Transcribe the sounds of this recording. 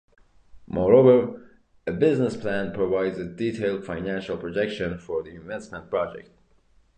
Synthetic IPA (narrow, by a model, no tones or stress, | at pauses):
mɔɹoʊvə˞ | ɨbɪznəspʰl̥æ̃npʰɹ̥əvaɪdzɨditʰeɪlˠd̥fãɪ̃næ̃nʃəl̩ˠpʰɹ̥ɔd͡ʒɛkʃɨ̃nfə˞ðiɪ̃ɱvɛsmə̃npʰɹ̥ɑd͡ʒɛ̰k̚t̚